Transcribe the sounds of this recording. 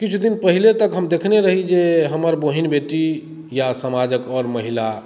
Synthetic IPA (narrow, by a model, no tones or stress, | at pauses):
kit͡ʃʰud̪inpəɦilet̪əkɦəmd̪ekʰneɾəɦid͡ʒeɦəməɾboɦinbeʈi | jasəmad͡ʒəkɔɾməɦila